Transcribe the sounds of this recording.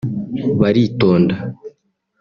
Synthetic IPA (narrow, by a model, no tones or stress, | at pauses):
βaɾitoːnda